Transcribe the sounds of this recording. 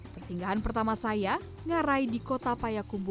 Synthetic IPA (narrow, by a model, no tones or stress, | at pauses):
pərsiŋɡaɦanpərt̪amasaja | ŋaɾaidikot̪apajakumbu